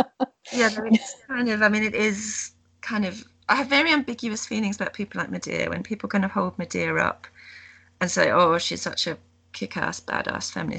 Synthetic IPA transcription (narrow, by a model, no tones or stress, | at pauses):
jæðəɪ̥kʰãɪ̃ndəvaɪmĩnɪtɪz̥ | kʰãɪ̃ndʌv | ʔaɪəvːɛɹiʌ̃mbɪɡjɨəsfiːlɪ̃ŋzəbaʊʔ̚pʰiˑpəl̩ˠlaɪk̚mədɪ̰ə̰wə̰̃npʰiˑpl̩ˠɡʌ̃nə̥hɒʊlˠd̚mədɪəɹʌ̰p | ə̃nseɪʔoːʃiz̥sʌ̰t͡ʃə | kʰɪkʰɑ̰ˑsb̥a̰dɑ̰sfæ̰̃mlḭ